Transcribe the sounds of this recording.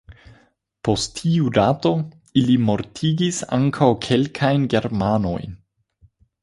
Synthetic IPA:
po̞stːʰiudato̞ | ilimo̞ɾtʰiɡisa̰ŋkʰawkʰe̞lkʰajnɡe̞ɾmano̞̰jn

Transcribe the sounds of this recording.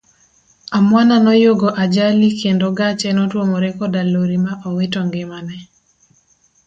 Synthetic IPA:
amwananɔjoɡoʔad͡ʒalikendoɡat͡ʃɛnɔtwomoɾɛkɔdaloɾimaʔɔwetɔŋɡɪmanɛ

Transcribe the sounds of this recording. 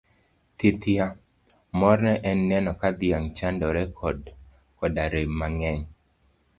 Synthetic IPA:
t̪ɪt̪ja | mɔrnɛʔɛnːɛnɔkad̪ɪjaŋt͡ʃandɔɾɛkʰɔd | kɔdaɾemːaŋɛɲ

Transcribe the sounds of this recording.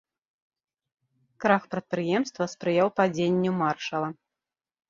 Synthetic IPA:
kɾaxpɾɐt̪̚pɾɨjɛmst̪vɐspɾɨjawpad͡zʲenʲːumarʂɐlˠɐ

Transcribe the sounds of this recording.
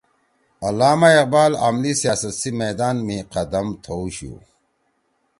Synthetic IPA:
ɐlaːmaeq̚baːla̰mlisjaːsɐt̪simeːd̪aːnmiqɐd̪ɐmt̪ʰowɕṵ

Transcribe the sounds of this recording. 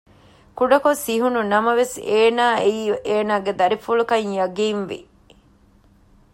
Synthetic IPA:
kuɖɐkosiɦununɐmɐʋeseːnaːeiːeːnaːɡed̪ɐɾifulukɐɲjɐɡiːnʋḭ

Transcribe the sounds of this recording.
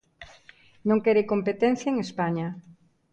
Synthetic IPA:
nõŋkɛɾekompet̪ɛn̟θjaeŋespaɲa

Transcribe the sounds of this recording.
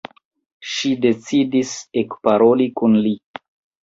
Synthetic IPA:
ʃide̞t͡sidisekpaɾo̞likunli

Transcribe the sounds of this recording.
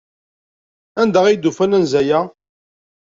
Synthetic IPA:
ænd̪æʁijd̪ufænænzæjæ

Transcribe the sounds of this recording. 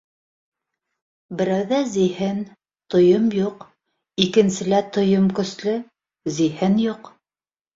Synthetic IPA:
bɘ̆ɾæwðæzihɘn | t̪ŏjomjuq | ikɘ̆nsɘ̆læt̪ŏjomkɵ̆slɘ | zihɘnjuq

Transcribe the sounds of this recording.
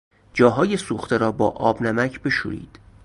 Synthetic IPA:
d͡ʒɒːɦɒːje̞suːxt̪ʰe̞ɾɒːbɒːʔɒːbnæmæcʰbe̞ʃṵɾḭːd̪̥

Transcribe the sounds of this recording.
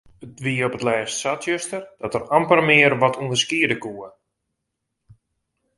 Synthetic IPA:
ətʋiopətlɛːstsatjøstərd̥ɔtərampərmɪərʋɔtʰuəndəskiədəkuə

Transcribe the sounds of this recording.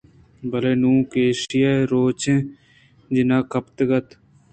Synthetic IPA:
bəleːnũːkeːʃɪjaːeɾoːt͡ʃẽː | d͡ʒɪnãːkəpt̪ɡət̪

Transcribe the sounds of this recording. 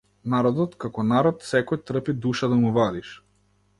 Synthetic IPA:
naɾɔd̪ɔt̪kakɔnaɾɔt̪sɛkɔjt̪ɾ̩pid̪uʃad̪amuvad̪iʃ

